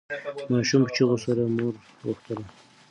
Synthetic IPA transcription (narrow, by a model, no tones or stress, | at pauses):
mɑʃumpə̥t͡ʃiɣosaɾamoɾ | ɣo̰xt̪əla